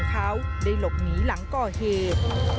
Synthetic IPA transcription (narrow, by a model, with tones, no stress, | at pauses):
k̪ʰaː˨˦wɗə˧jlo˨˩p̚ŋi˨˦la̰˧˦ŋkɔː˧˩he˨˩p̚